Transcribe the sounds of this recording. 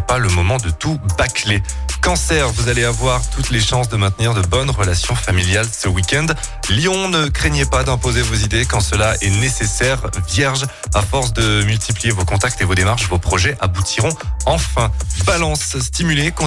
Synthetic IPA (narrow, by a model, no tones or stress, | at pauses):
paləmɔmɑ̃d̪ət̪ubaklekɑ̃sɛʁvuzaleavwaʁt̪ut̪leʃɑ̃sd̪əmɛ̃t̪niʁd̪əbɔnʁəlasjɔ̃familjalsəwikʲɛ̃nd̪ | ljɔ̃nəkχeɲepad̪ɛ̃pozevozid̪ekɑ̃səlaʔɛ̰nesesɛʁvjɛʁʒ | afɔʁs̬d̪əmylt̪iplijevokɔ̃t̪ak̚t̪evod̪emaʁʃvopχɔʒɛʔabut̪ʰiʁɔ̃ɑ̃fɛ̃balɑ̃sst̪imylekɔ̃